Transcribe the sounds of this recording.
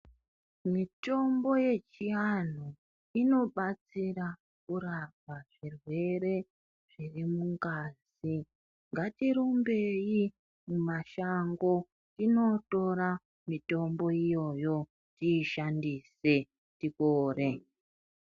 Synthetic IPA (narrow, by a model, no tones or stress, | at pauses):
mito̞mbo̞je̞t͡ʃian̤u | ino̞ɓat͡sira | kuraβaʐirwe̞re̞ | ʐ̥irimuŋkaːz | i | ŋɡatiɾumbe̞i | mumaʃaŋɡo̞ | ino̞to̞ɾa | mito̞mbo̞ijo̞jo̞ | tiːʃandise̞ | tikoːre̞